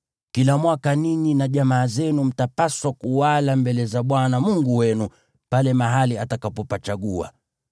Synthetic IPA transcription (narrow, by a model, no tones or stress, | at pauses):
kilamwakaniɲinaʄamaːzɛnum̩tapaswakuwalambɛlɛzaɓwanamuŋɡuwɛnu | palɛmaɦaliatakapɔpat͡ʃaɠua̰